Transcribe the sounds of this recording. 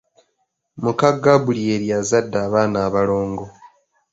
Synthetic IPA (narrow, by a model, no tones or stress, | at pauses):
mukaɡːaβulie̞ɾjazadːaːβaːnaːβalo̞ːŋɡo̞